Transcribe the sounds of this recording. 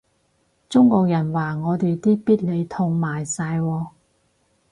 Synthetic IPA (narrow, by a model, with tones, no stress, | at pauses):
t͡sʊ˥ŋkɔː˧k̚jɐ˨˩nwaː˨ŋɔː˨˧t̪e˨jt̪iː˥piː˥t̚le˨˧jt̪ʰʊ˧ŋmaː˨˩jsaː˧jwɔː˧